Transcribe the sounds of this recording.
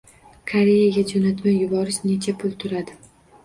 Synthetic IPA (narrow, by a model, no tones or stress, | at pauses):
kʰaɾe̞jaɡʲad͡ʒonat̪majːʊbɒɾɪʃne̞t͡ʃʰapʰʊlˠt̪ʰʊɾad̪ɪ